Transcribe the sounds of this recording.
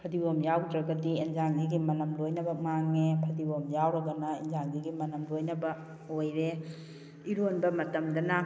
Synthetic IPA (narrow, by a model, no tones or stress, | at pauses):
pʰɐdiwomjawdɾɐɡɐdienzaŋɡiɡimɐnɐmlojnɐbɐmaŋːepʰɐdiwomjawɾɐɡɐnɐenzaŋɡiɡimɐnɐmlojnɐbɐ | ojɾe | iɾonbɐmɐtɐmdɐnɐ